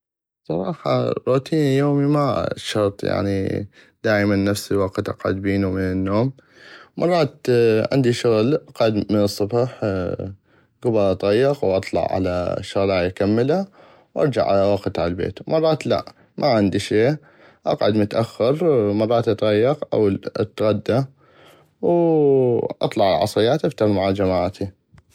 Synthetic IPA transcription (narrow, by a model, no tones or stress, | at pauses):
sˤɑɾˤɑːħɑ̰ɾˤuːt̪ʰiːnjoːmimaʃɑɾˤt̪ˤja̰ʕnḭ | d̪aːʔmanːafsiwɑqt̪ʔɑ̰qʕʊ̰d̪̚biːnumɪnɪnːoːm | mʔɑ̰rˤːɑːt̪ʕɪ̰nd̪iʃʊɣlʔɑqʕʊd̪mənɨsˤːʊbħ | ɡʊbɑɾˤʔɑt̪ˤɣɑjːɪqwʔɑt̪ˤlɑ̰ʕʕa̰la̰ʃʊɣlaːjkamːɪla | wʔɑ̰ɾˤd͡ʒa̰ʕʔa̰lawaqt̪aʕalbḛːt̪mɑrˤːɑːt̪la̰ʔ | mʔaʕɪnd̪iʃeː | ʔɑqʕʊd̪mʊt̪ʔaxːɪɾmɑrˤːɑːt̪ʔɑt̪ˤɣɑjːɪqʔa̰wl̰t̪ɣad̪ːa | w | ʔɑ̰t̪ˤlɑʕal̰ʕɑ̰sˤɾɪjːaːt̪ʔaft̪ahmaʕad͡ʒamaːʕt̪ʰi